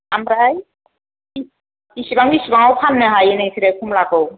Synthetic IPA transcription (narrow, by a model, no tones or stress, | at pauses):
amɾaj | i | isibaŋisibaŋɔwpʰanːɯɦajenaisʰiɾɛkʰumlaɡɔw